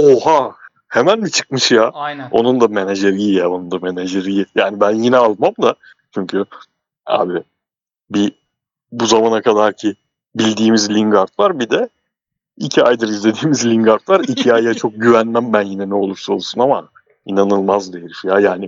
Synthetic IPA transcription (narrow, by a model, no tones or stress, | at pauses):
oha | he̞mænbit͡ʃʰɯ̥kmɯʃjao̞̰nund̪ame̞neʒeɾijijao̞nund̪ame̞neʒeɾijijaːnibænjinɛalˠmamd̪a | t͡ʃʰyɲcʰy | a̰ːbi | bi | buzamanakʰad̪aɾcʰi | bilʲd̪iːmizlʲiŋɡaɾt̪vˠaɾbid̪ɛ | icʰiajd̪aɾizlʲe̞d̪iːmizlʲiŋɡaɾt̪lˠaɾicʰiajat͡ʃʰo̞k̚ɟyvænmæmbænjinɛnɛo̞lˠuɾso̞lˠsunama̰ | inanɯlˠmazd̪ejɾifjajaːnɪ